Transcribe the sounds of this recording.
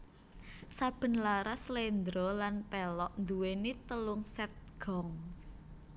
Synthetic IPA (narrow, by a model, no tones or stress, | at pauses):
sab̥ə̤nlaɾaslend̪ɾɔlanpɛlɔʔnd̪uwenit̪əlʊŋsɛt̪̚ɡ̥ɔ̤ŋ